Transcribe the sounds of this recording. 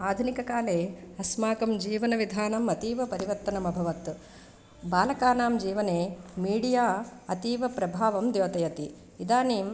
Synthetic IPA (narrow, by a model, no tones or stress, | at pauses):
aːd̪ʱunikɐkaːleːɐsmaːkɐmd͡ʒiːʋɐnɐʋid̪ʱaːnɐmɐt̪iːʋɐpɐɾiʋɐɾt̪ːɐnɐmɐbʱɐʋɐt̪ | baːlɐkaːnaːmd͡ʒiːʋɐneːmiːɽijaːɐt̪iːʋɐpɾɐbʱaːʋɐmd̪joːt̪ɐjɐt̪i | id̪aːniːm